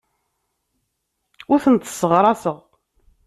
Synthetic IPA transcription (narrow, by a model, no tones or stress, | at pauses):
ʊɾθənt̪sːəʁɾˤɑsəʁ